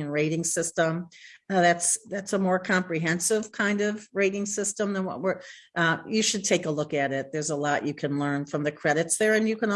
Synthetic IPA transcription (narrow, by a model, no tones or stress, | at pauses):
ɨ̃nɹeɪɾɪ̃ŋsɪstə̃mðætsðætsəmɔɹkʰɑ̃mpɹiɦɛ̃nsɪv̥kʰãɪ̃ndʌvɹeɪɾɪ̃ŋsɪstə̃mðə̃nwʌ̰t̚wə˞ʔjɨʃɨd̚tʰeɪkəlʊkɨɾɪt̪̚ðə˞zəlɔt͡ʃɨkʰɨ̃nlɜ̃˞nfɹʌ̃mðɨkʰɹ̥ɛɾɨtsðə˞ɨ̃njɨkɨ̃n